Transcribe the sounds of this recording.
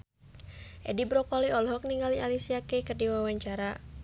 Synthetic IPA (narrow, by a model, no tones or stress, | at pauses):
ʔɛdibɾɔkɔliɔlɦɔk̚niŋɡalialisiakekərdiwawaɲt͡ʃaɾa